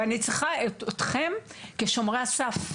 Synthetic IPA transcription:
anit͡sʁiχaetot̪χe̞mkeʃo̞mʁeasaf

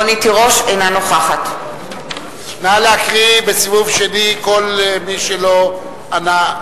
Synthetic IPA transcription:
onit̪iʁo̞ʃejnanoχaχat̪ | naleakʁibesivuvʃeniko̞lmiʃelo̞ | ana

